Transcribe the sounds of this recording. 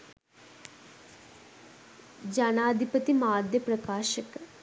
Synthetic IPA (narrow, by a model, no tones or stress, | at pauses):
d͡ʒanaːd̪ʱipət̪imaːd̪ʱjəpɾɐkaːʃək